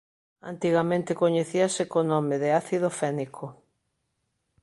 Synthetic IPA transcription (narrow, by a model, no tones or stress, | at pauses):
a̰nt̪iɣamẽnt̪ɪkoɲeθiasekonomeðeaθiðofɛnikʰo